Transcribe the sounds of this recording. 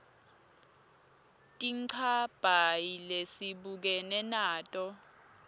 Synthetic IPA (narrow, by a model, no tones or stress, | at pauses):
tʼiǀʰab̥ʱajilesiɓuk̬ɛnɛnaːtʼɔ